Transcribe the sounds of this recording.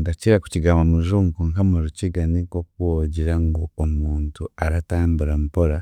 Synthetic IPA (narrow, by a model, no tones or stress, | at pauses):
ndaciɾaku̥ciɡaːmamuzuŋkuŋkamuɾuciɡanikok̚uwoɟiɾaŋɡoomuːntuaɾataːmbuɾampoɾa